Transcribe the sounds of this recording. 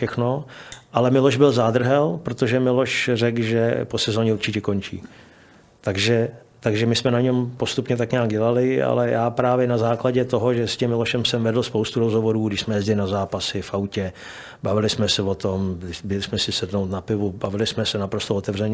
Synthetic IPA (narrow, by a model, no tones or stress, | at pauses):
ʃɛxno̞ʔalɛmɪlo̞ʒbɪlzaːd̪r̩ɦɛlpɾot̪oʒɛmɪlo̞ʃrɛkʒɛpo̞sɛzoːɲɛuɾt͡ʃɪcɛko̞nt͡ʃḭː | t̪aɡʒɛ | t̪aɡʒɛmɪsmɛnaɲɛmpo̞st̪upɲɛt̪akɲaːɡɟɛlalɪa̰lɛjaːpɾaːvjɛnazaːklaɟɛt̪o̞ɦoʒɛscɛmːɪloʃɛmsɛmvɛdl̩spowst̪uɾozɦovoɾuːɡdɪʃsmɛjɛzɟɪlɪnazaːpasɪfʔawcɛ | bavɪlɪsmɛsɛvot̪omɪbɛlɪsmɛsɪsɛdnowt̪napɪvubavɪlɪsmɛsɛnapɾost̪oot̪ɛvr̝ɛɲ